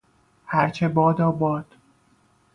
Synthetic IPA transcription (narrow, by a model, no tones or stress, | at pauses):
hæɾt͡ʃʰebɒːd̪ɒːbɒːd̪̥